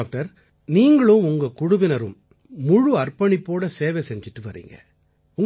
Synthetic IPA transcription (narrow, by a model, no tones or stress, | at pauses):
k̚ʈɐɾ | niːŋɡɐɭɯmʊŋɡɐkʊɽʊʋɪnɐɾɯmː | ʊɻuɐrpɐɳɪpːoːɽɐseːʋɛsɛɲd͡ʒɪʈːɯʋɐɾḭːŋɡɐ̰ | ʊŋ